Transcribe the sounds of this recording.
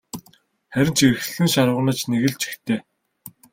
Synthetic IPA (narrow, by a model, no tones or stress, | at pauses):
χæɾʲɪ̆nt͡ɕer̆x̆ɮɘ̆ŋʃaɾwə̆nə̆t͡ɕneɣɘ̆ɮt͡ɕʰi̥xt̪ʰeː